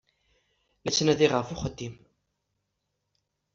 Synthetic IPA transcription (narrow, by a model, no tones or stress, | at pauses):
læt͡sːnæðiʁəfʊχəd̪ːim